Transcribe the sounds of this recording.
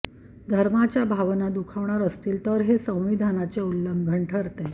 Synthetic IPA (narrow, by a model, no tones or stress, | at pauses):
d̪ʱəɾmat͡ɕjabʱaʋnad̪ukʰaʋɳaɾəst̪iːlt̪əɾɦesə̃w̃ʋid̪ʱanat͡seulːəmbʱəɳʈʰəɾt̪e